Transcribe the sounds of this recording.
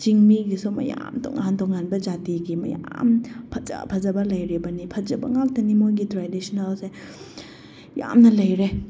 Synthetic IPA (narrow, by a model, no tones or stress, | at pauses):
t͡ʃiŋmiɡisomɐ̰ja̰mdɔ̰ŋandɔŋanbɐd͡ʒatiɡimɐ̰ja̰mpʰɐt͡ʃɐ̰pʰɐzɐbɐlɐjɾibɐnipʰɐzɐbɐ̰ŋak̚dɐnimojɡitɾadisɔnalse | ja̰mnɐlɐjɾe